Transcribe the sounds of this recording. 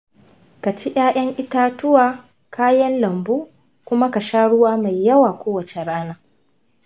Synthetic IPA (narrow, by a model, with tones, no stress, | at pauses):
ka˨t͡ʃi˦ʔj̰aː˦ʔɐ˦ŋʔɪ˦ta˦tʊ˦waː˦ | kʰaː˦jɐ˦nlɐ˨mbuː˦ | kʷʊ˦ma˦ka˨ʃaː˦ɽʊ˦waː˦ma˨jːɐ˦waː˨kʷoː˦wɐ˨t͡ʃe˨ɽaː˦naː˦